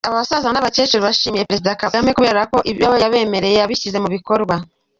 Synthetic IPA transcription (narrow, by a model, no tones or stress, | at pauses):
aβaβasazanaβat͡ʃe̞t͡ʃeɾoβaʃiːmije̞peɾe̞zidakaamɲekuβe̞ːɾeako̞ʔijaβojaβe̞ːme̞ɾe̞jejaβiʃize̞muβiko̞ɾɡwa